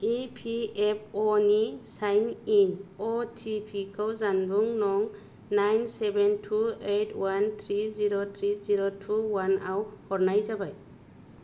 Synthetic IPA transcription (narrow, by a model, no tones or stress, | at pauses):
ipʰiep̚ʰɔnisajninɔtʰipʰikʰɔwzanbuŋnɔŋ | najnsebʱentʰuetʰwant̪ʰɾiziɾot̪ʰɾiziɾotʰuwanawhɔɾnajd͡ʒabaj